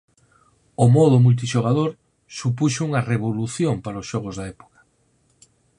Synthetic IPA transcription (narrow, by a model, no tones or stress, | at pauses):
omɔð̞ʊmult̪̬iʃoɣað̞oɾ | supuʃʊuŋɐreβoluθjompaɾaosʃɔɣozðɐɛpo̥kɐ̥